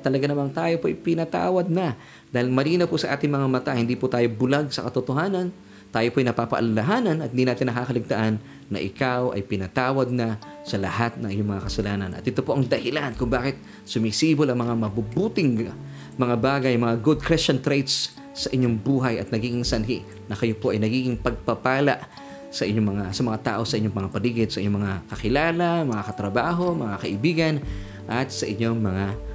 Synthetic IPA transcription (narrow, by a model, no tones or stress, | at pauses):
t̪ɐlɐɡanɐmant̪aːjopoʔɐjpɪnɐt̪a̰ːwɐd̪̚nɐ | d̪aːhɪlmɐliːnɐpʊsɐʔaːt̪ɪŋmɐŋamɐt̪ahɪnd̪iːpʊt̪aːjo̞bʊlaɡ̚sɐkɐt̪ot̪oɦaːnɐn | t̪aːjopoɐjnɐpaːpɐʔɐ̰lɐlɐɦaːnɐnʔɐt̪̚hɪnd̪inaːt̪ɪnːɐkaːkɐlɪɡ̚t̪ɐʔanː | ɐ̰ʔɪ̰kawʔɐ̰jpɪnɐt̪aːwɐd̪̚nɐ | sɐlɐ̰hat̪̚nɐŋʔɪɲomɐŋakɐsɐlaːnɐnʔɐ̰t̪ʔɪt̪opoʔɐŋd̪ɐhɪlankʊŋbaːkɪt̪̚ | sʊmɪsiːbolɐŋmɐŋamɐbubuːt̪ɪŋ | mɐŋabaːɡɐjmɐŋaɡʊd̪̚kɾɛst͡ʃɐnt̪ɾɛjt̪sː | ɐʔɪɲːoŋbuːɦɐjɐt̪nɐɡiːɡɪŋsɐnɦḭ | nɐkɐjo̞po̞ʔɐjnɐɡiːɡɪŋpɐɡ̚pɐpaːlaʔ | sɐʔɪɲːomɐŋasɐmɐŋat̪a̰ːʔo̞sɐʔɪɲːoŋmɐŋapɐliːɡɪd̪̚sɐʔɪɲoŋmɐŋakɐkɪlaːlamɐŋakɐt̪ɾɐbaːɦo̞mɐŋakɐʔɪbiːɡɐn | ʔɐt̪̚sɐʔɪɲo̞ŋmɐŋa